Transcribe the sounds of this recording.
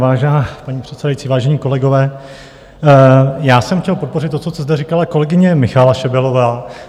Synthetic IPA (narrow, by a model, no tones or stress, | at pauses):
vaːʒɛnaːpaɲiːpr̝̥ɛt̪sɛdajit͡siːvaːʒɛɲiːko̞lɛɡo̞vɛː | jaːsɛmxcʲɛlpo̞t̪̚po̞rɪt̪ːo̞tt͡sost̪ɛzd̪ɛɾikalako̞lɛɡɪɲɛmɪxalaʃɛbɛlo̞vaː